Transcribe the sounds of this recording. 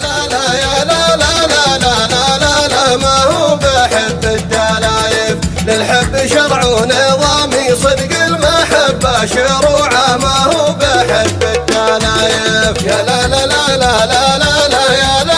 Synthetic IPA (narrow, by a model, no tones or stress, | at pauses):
lalajalalalalalalalamahubħɪbːɪd̪ːaːlaːjɪblɪlħɪbːʃɑɾˤʕuːnaðˤɑmisˤɨd̪ɡɪlmaħabːaʃeɾuʕamahuːbɪħɪbːɪd̪ːaːlaːjɪbjalalalalalalalaala